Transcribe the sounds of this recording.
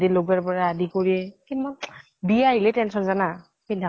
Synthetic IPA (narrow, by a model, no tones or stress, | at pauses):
diloɡaɹpɔɹaːdikoɹiɛkinman | biaɦilɛtɛnsɔnzana | pidʱa